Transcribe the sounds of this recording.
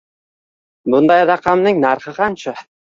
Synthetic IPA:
bʊnd̪ɑjɾɑqʰɑmnɪŋnaɾχɨqɑnt͡ʃɑ

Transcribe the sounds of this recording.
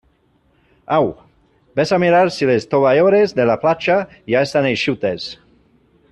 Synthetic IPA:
aw | besamiɾaɾsilest̪oβajoɾezðelaplat͡ʃa | jaest̪aneʃut̪es

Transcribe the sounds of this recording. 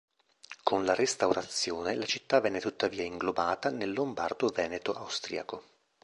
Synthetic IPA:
kʰonlarest̪awɾat̪sːjoːnelat͡ʃit̪ːavɛnːet̪ut̪ːaviːaiŋɡlobaːt̪anelːomba̰rd̪ovɛːnet̪oʔawst̪ɾḭːako

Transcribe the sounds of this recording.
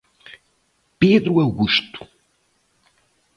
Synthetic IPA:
peðɾuɐwɣuʃt̪u̥

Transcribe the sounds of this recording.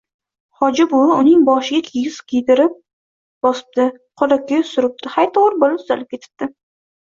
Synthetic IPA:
hɒd͡ʒɪbʊʊnɪŋbɒʃɪɡʲakʲʰejɪzkʲʰejd̪ɪɾɪp̚ | b̥ɒsɪ̥p̚d̪ɪqʰolakʲːasʊɾɪp̚t̪ɪhajt̪ʰoʁɾbolɪpt̪ʰʊ̥zalɪp̚kʲʰe̞t̪ʰɪ̥p̚d̪̥ɪ

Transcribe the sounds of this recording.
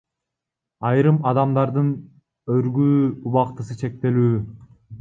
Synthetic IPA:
ɑjɾɯmɑd̪ɑmd̪ɑɾd̪ɯn | øɾɡyːuβɑqt̪ɯsɯt͡ʃʰe̞k̚t̪e̞lyː

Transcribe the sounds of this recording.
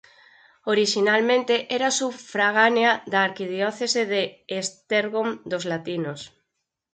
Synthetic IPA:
oɾiʃinalmẽnt̪eʔɛɾasufɾaɣ̞aneaðaːɾkiðjɔθeseðeːst̪eɾɣomd̪ozlat̪inos

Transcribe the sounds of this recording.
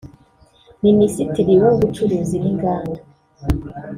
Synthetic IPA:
minisitiɾiwaŋɡut͡ʃuɾuziɾiŋɡaːnda

